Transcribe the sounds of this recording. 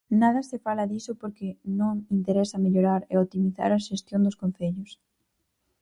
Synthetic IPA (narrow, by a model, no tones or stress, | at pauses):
nað̞ɐsɪfalɐðisʊpoɾkɪnõŋint̪eɾɛsɐmeʎoɾaɾḛot̪imiθa̰ɾɐʃest̪jond̪ʊskõnθeʎʊs